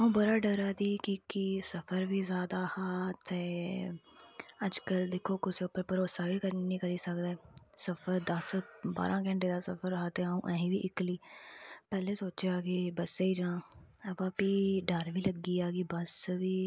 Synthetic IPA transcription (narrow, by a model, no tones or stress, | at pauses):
aːũːbəɾaɖəɾaːd̪iːkikisəfʰəɾbʱizjaːd̪ahaːt̪eː | əd͡ʒkəld̪eːkʰokʊseʊpːəɾpəɾoːsaʋikəɾnĩkəɾiːsəkd̪eːsəfʰəɾd̪əsba̰ːɾʔãːkɛ̃ːɳʈed̪asəfʰəɾɦaːt̪eaːũʔəɦĩbʱiʔɪkliːpɛːlesoːt͡ʃeaːɡiːbəseid͡ʒãːɐbaːpiːɖəɾʋʱiːləɡiːaːɡiːbəsʋiː